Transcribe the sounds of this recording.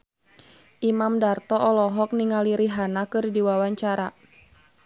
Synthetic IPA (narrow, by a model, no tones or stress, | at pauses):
ʔimamdart̪ɔʔɔlɔɦɔk̚niŋaliɾiɦanakɨrdiwawaɲt͡ʃaɾa